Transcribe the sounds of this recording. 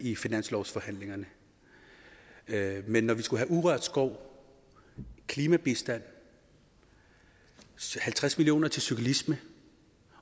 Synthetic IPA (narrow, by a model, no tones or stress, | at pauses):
ifinæn̰slɒʊsfɒ̽hæn̰le̝ŋɐnə | menːɒʋisɡ̥uɦæʔuʁœɐ̰d̥sɡ̥ɒʊ̰ | kʰliːmæb̥isd̥æn̰ | hælt͡sʰʁasmilio̝̰ːnɐt͡sʰe̝lsukʰælismə